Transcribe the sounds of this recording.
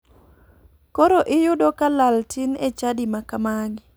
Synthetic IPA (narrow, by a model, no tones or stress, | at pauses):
koɾoʔɪjʊdokalaltɪnet͡ʃadimakamaɡ